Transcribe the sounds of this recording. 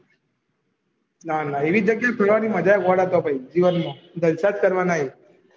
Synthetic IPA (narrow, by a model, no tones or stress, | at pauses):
nanaiʋiːd͡ʑəɡjak̪ʰəɽʋaɾiːməd͡ʒajaɡɔɽat̪ɔbʱaid͡ʑiʋənmã | d̪ʱəlsat̪kəɾʋanaɦi